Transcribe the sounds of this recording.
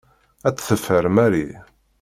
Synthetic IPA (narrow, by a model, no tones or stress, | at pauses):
æt͡sːθəfːəɾmæɾi